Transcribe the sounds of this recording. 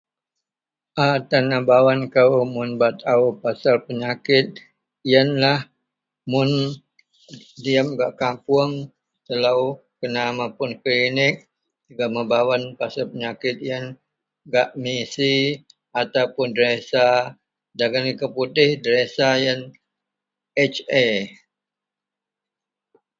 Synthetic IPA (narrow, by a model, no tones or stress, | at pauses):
ʔat̪anabawankamʊnbat̪aupasalpəɲakɪt̪̚ | jənlah | mʊn | diəmɡaʔkampuʊəŋ | t̪əlaukənamapʊnklinɪk̚ | uɡaʔməbawanpasalpəɲakɪt̪̚ijən | ɡaʔmisi | at̪awpʊndəɾesa | daɡanikəput̪ɪhdəɾesajən | ɛt͡ʃe